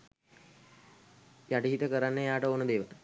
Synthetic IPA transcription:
jaʈiɦit̪əkəɾanːəjaːʈəoːnəd̪eːʋətə

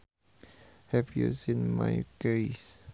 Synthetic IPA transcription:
hɛvjṵsĩnma̰jɡeɪs

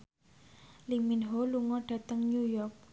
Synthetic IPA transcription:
liminɦoluŋɔɖ̥ä̤t̪əŋnjujɔrk̚

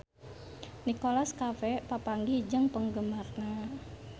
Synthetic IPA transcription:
nikolaskafɛpapaŋɡid͡ʒəŋpəŋɡəmarna

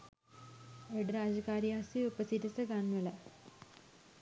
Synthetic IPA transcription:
eɖɾaːd͡ʑɐkaːɾjaːsiupɐsitɐsɐɡanʋɐlɐ

